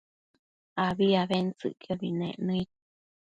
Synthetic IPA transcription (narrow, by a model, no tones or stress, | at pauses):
aβiaβent͡sɨ̰ʔkaβinḛ̃ʔnɨ̃it̪̚